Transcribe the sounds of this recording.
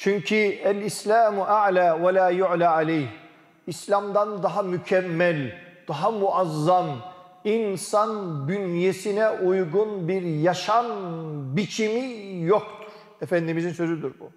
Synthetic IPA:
t͡ʃʰyɲcʰiælislʲaːmuʔaʕlaːwalaːjuʕlaʕalɛjh | islʲamd̪and̪aɦamycʰɛmːɛlʲd̪̥aɦamuʔazːan | insand̪ynjesinɛʔujɡunbiɾjaʃanbit͡ʃʰimijok̚t̪ʰu̥ɾ̥ | ɛfænd̪imizinsø̞zyd̪yɾbu

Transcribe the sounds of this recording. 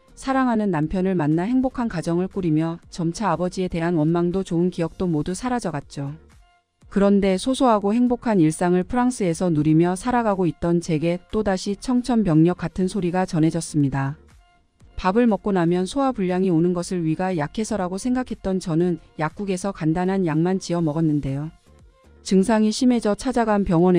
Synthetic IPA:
sʰaɾaŋɦanɯnːampʰjʌnɯɭmanːaɦe̞ŋbokʰankad͡ʑʌŋɯɭk͈uɾimjʌt͡ɕʌmt͡ɕʰaabʌd͡ʑie̞te̞ɦanwʌnmaŋdot͡ɕoɯnkijʌk̚t͈omodusʰaɾad͡ʑʌɡat̚t͡ɕ͈o | kɯɾʌnde̞sʰosʰoɦaɡohe̞ŋbokʰaniɭs͈aŋɯɭpʰɯɾaŋs͈ʰɯe̞sʰʌnuɾimjʌsʰaɾaɡaɡoit̚t͈ʌnt͡ɕe̞ɡe̞t͈odaɕʰit͡ɕʰʌŋt͡ɕʰʌmpjʌŋɲʌk͈atʰɯnsʰoɾiɡat͡ɕʌne̞d͡ʑʌs͈ɯmɲida | pabɯɭmʌk̚k͈onamjʌnsʰoapuʎːaŋionɯnɡʌsʰɯɭɥiɡajakʰe̞sʰʌɾaɡosʰe̞ŋɡakʰe̞t̚t͈ʌnt͡ɕʌnɯnjak̚k͈uɡe̞sʰʌkandanɦanjaŋmant͡ɕiʌmʌɡʌnːɯnde̞jo | t͡ɕɯŋsʰaŋiɕʰime̞d͡ʑʌt͡ɕʰad͡ʑaɡanpjʌŋwʌne

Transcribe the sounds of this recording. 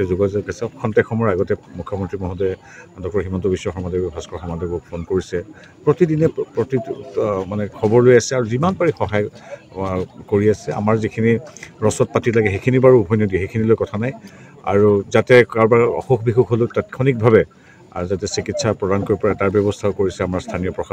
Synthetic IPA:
ɛzoɡazoɡasɛɔkʰɔntɛkʰɔmɔɹaɡɔtɛmukʰjɔmɔntɹimɔɦɔdɛ | andɔkɔɹɦimɔntɔbisːɔxɔmadɔɡbʱaskɔxɔmadɔɡɔpʰonkoɹisɛ | pɹotidinɛpɹɔtimanɛkʰɔbɔɹlojasɛaɹuzimanpaɹixɔɦaj | koɹiasɛa̰maɹzikʰiniɹɔsɔt̚patilaɡɛxekʰinibaɹuubʱɔjnodiɛxekʰinilojkɔtʰanaj | a̰ɹuzatɛaɹbaɹɔ̰xoxʰbixuxɦolotatkʰɔnik̚bʱabɛ | zatɛsikitsʰapɹɔdankoɹipɔɹataɹbjɔbɔstʰaokoɹisɛamaɹstʰanijɔpɹɔxa

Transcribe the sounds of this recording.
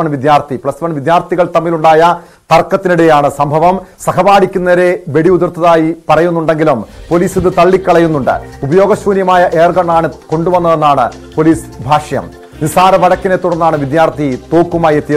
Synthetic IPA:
ɐɳʋid̪jaːrt̪ʰipɭɐsʋɐɳʋid̪jaːrt̪ʰiɣɐɭt̪ɐmːiluɳɖaːjɐ | t̪ɐrkːɐt̪ːinuɽe̞jaːɳɨsɐmbʱɐʋɐmsɐkɐbaːɽikʲːunːɐɾe̞ʋe̞ɽiuðurt̪ʰːɐðaːjipɐrɐjunːuɳɖe̞ŋɡilumpo̞liːsiðɨt̪ɐɭːikːɐɭɐjunːuɳɖɨ̰ubɐjo̞ːɡɐɕʋuːnjɐmaːjɐʔe̞ːrɡɐɳːaːɳɨko̞ɳɖuʋɐnːɐðe̞nːaːɳɨ | po̞liːsbʱaːʂɐjɐ̰m | nisaːɾɐʋɐɽɐkːine̞t̪ːuɽɐnːaːɳɨʋid̪jaːrt̪ʰit̪oːkːumaːjet̪ːijɐ

